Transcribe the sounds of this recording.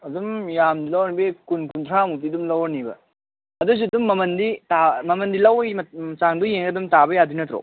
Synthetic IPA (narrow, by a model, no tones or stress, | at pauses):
ɐdumjamdilɐwɾnibekunkunt̪ʰɾamutidumlɐwnibɐ̰ | ɐdus̬uɐdumːɐmɐnditamɐmɐndilɐwmɐɐt͡ʃaŋdujeŋɐdumtabɐjadinɐt̪ɾo̰